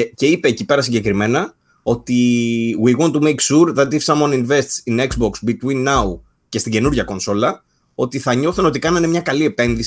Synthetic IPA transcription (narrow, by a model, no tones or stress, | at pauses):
ce̞ipe̞ːcipe̞ɾɐsiɲɟe̞kɾime̞nɐ | o̞t̪iwiɣont̪ːumejksuɾðɐt̪ifsɐmwɐninve̞st̪sinekzboksbit̪winːau | ce̞st̪iɟe̞nuɾʝɐko̞nso̞lɐ | o̞t̪iθɐɲo̞θuno̞t̪ikɐnɐinemɲɐkɐlie̞pe̞nðis